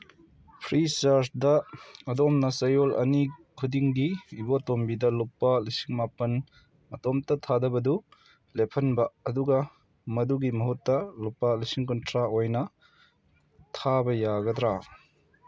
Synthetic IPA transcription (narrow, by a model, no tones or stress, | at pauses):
pʰɾisaɾsdɐɐdɔmnɐsɐjolʔɐ̰nikʰudiŋɡiibotombidɐlupːɐlisiŋmapɐn | mɐtɔmtɐtʰadɐbɐdu | lepʰɐnbɐɐduɡɐ | mɐduɡimɐɦutːɐlupːɐlisiŋkɔntɾaojnɐ | tʰabɐjaɡɐd̪ɾa